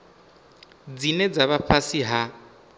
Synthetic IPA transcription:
d͡zinɛd͡zaβapʰasiɦa

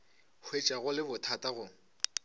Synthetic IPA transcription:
hwet͡ʃʼaɣʊlɪbʊtʰatʼaɣʊ

